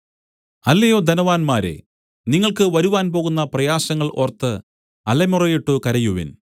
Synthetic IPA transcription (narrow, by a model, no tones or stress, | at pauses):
ɐlːɐjo̞ːd̪ʱɐnɐʋaːnmaːɾḛ | niŋːɐɭkɨʋɐɾuʋaːnp̬o̞ːɣunːɐprɐjaːsɐŋːɐɭʔort̪ːɨ | ɐlɐmurɐjiʈːukɐɾɐjuʋḭn